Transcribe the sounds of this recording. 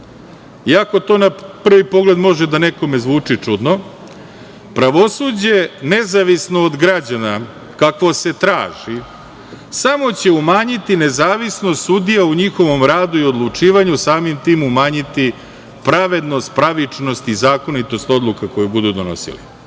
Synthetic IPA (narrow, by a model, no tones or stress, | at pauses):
iako̞t̪o̞ːnapr̩ʋipo̞ɡle̞d̪mo̞ʒed̪aneko̞me̞zʋuːt͡ʂit͡ʂud̪no̞ | pɾaʋo̞sud͡ʑe̞nezaʋisnoːd̪ɡɾad͡ʑana | kakʋose̞t̪ɾa̰ːʒi | samo̞t͡ɕe̞umaːɲit̪ine̞zaːʋisnost̪sud̪ijauɲixo̞ʋo̞mɾaːd̪uio̞d̪lˠut͡ʂiːʋaɲusaːmimt̪iːmumaːɲit̪i | pɾaʋe̞d̪no̞st̪̚pɾaʋit͡ʂno̞st̪izaːko̞nit̪o̞st̪o̞d̪lˠukako̞jubud̪ud̪ono̞̰sḭlḭ